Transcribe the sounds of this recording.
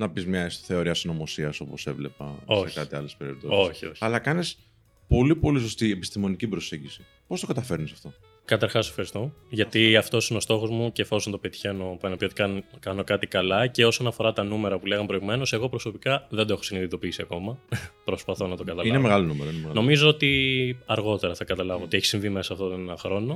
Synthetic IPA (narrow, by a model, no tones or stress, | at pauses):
nɐpizmɲɐsθeoɾiɐsino̞mo̞siɐso̞pose̞̰vlepɐ̰o̞ekɐt̪iɐ̰lespeɾipt̪osoçioçɐlɐkɐnes | po̞lipo̞lis̬o̞st̪iepi̥st̪imo̞nicibɾo̞se̞ɲɟisi | po̞st̪okɐt̪ɐfe̞ɾnisɐft̪o̞ | kɐt̪ɐɾxɐsofxɐɾist̪oʝɐt̪iɐft̪o̞sineo̞st̪o̞xo̞zmuceːfo̞soznɐt̪opet̪içeno̞pɐnɐpiot̪ikɐkɐno̞kɐt̪ikɐlɐce̞o̞so̞nɐfo̞ɾɐt̪ɐnume̞ɾɐpule̞ɣɐmpɾo̞iɣume̞no̞se̞ɣo̞pɾo̞so̞pikɐðend̪oexo̞siniðit̪o̞piisiɐko̞mɐpɾo̞spɐθo̞nɐt̪okɐt̪ɐlinemeɣɐlonumeɾoinmeno̞mizoot̪iɐɾɣo̞t̪e̞ɾɐθɐkɐt̪ɐlɐvoot̪e̞çi̥siɱvime̞sɐːft̪ot̪onenɐxɾo̞no̞